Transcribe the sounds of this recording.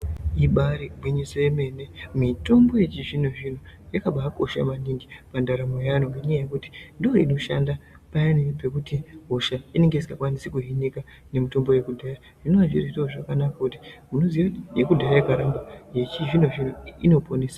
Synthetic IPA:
iɓaɾibwiɲisojeme̞ne̞mito̞mbo̞je̞t͡ʃiʐin̤oʐin̤ojakaɓakoʃa̰maniŋɡipandaɾamojanoŋɡeɲajajekuti̥ndooḭnoʃanda | pajanipe̞kutiɦoʃaine̞ŋɡeisikakwanisikuɦinika | ne̞mito̞mbo̞je̞kudʱaːra | ʐ̥inoʋanʐiridooʐakanakakuti̥muno̞ziʋajekudʱaɾajekaɾambaje̞t͡ʃiʐinoʐin̤oino̞pʰoneːsḁ

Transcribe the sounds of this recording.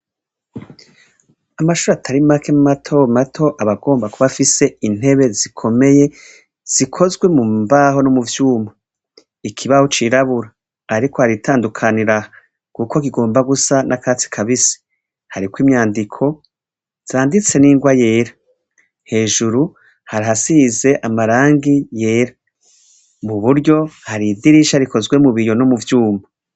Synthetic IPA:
amaʃuːɾatʰaɾimakʰemumatʰo̞matʰo̞ʔaβaɡo̞ːmbakuβafise̞in̥e̞βe̞zikʰo̞me̞je̞ | z̥ikʰo̞zɡwe̞mumbaɦo̞nomuvjuːma | ikʰiβahot͡ʃiːɾaβuɾaː | ɾiko̞haɾitʰaːndukʰaniɾaha | kuːko̞kiɡo̞ːmbaɡusanʔakaːt͡si̥kʰaβisi̥ | haɾikwiːmɲaːndikʰo̞ | z̥aːndit͡se̞niːŋɡwaje̞ːɾḁ | he̞ːʒuɾu | haɾiɦasize̞ʔamaɾaːŋɡije̞ːɾa | muβuɾɟo̞haɾidiɾiʃaɾiko̞zɡwe̞muβijo̞nomuvjuːma

